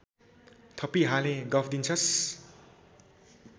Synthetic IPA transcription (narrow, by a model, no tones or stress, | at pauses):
t̪ʰʌpiɦaleɡʌpʰd̪int͡sʰʌs